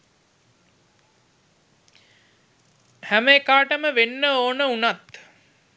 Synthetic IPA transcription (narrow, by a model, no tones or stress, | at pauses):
hæməekaːʈəməʋenːəoːnəunat̪